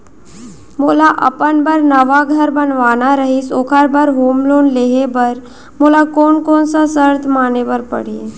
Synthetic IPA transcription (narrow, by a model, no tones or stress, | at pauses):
moːlaʔə̰pənbəɾnəʋaɡʱəɾbənʋaːnaɾəɦisoːkʰaɾbəɾɦoːmloːnleɦebəɾ | molakoːnkoːnsasəɾt̪ʰmaːnebəɾpə̰ɽ̤e